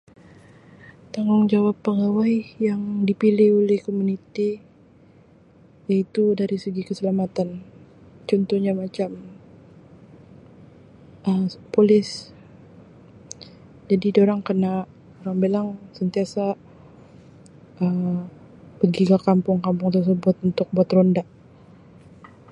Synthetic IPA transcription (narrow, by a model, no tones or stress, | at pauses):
t̪aŋʊŋd͡ʒawapːəɡawajjaŋdipilɪholɛhkomunit̪i | jait̪udaɾisəɡikəsəlamat̪an | t͡ʃɔnt̪ɔhɲamat͡ʃam | əmpolɪs | d͡ʒadidoɾaŋkəna | oɾaŋbelaŋsənt̪iasa | ʔəm | pəɡiɡakampʊŋkampʊŋt̪ərs̬əbʊt̪̚unt̪ʊk̚buat̪rondaʔ